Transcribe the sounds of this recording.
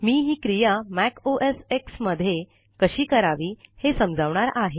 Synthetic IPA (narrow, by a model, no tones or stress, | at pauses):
miːɦiːkɾijamækʰoʔeseksməd̪ʱːje | kəɕiːkəɾaʋiːhesəmd͡zʱaʋɳaɾaɦe